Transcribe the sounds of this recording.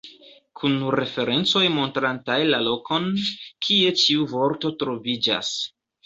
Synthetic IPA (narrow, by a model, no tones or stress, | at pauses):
kʰunɾe̞fe̞ɾe̞nt͡so̞jmo̞ntɾantajlalo̞kʰo̞nkʰie̞t͡ʃiuvo̞ɾto̞tɾo̞vid͡ʒa̰s